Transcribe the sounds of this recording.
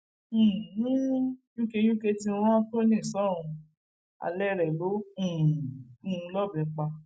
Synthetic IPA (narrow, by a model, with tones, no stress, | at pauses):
jũ˦ke˧jũ˦ke˧ti˧ɾ̃ã˦to˦nĩ˦˨sɔ̃˦˨ũ˧ | a̰˧lɛ˦ɾɛ˨lõ˨˦˨ũ˧lɔ˦˨bɛ̃˨k͡pa˧